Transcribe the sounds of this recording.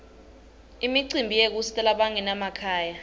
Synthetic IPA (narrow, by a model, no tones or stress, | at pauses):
imiǀimbʱijek̬usi̥tʼalaɓaŋɛnamakʰaːja